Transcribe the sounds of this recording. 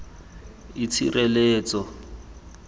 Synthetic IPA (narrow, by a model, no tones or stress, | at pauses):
it͡sʰḭrʔeleːt͡sʼɔ